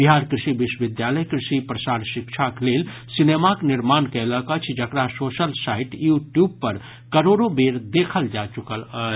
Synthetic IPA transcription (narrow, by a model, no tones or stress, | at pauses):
biɦaɾkɾɪʃibɪʃwəʋɪd̪jaləjkɾɪʃipɾəsaːɾʃikt͡ʃʰakleːl | sinemaknɪɾmaːnkɛləkət͡ʃʰd͡ʒəkɾasoːsəlsaiʈjuːʈjub̚pəɾ | kəɾoɾobeːɾd̪ekʰəld͡ʒat͡ʃukələ